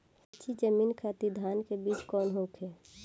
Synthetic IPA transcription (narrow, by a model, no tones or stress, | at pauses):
ət͡ʃʰid͡ʒəmiːnkʰat̪id̪ʱaːnkebiːt͡ʃkɔːnɦõːkʰɦɛː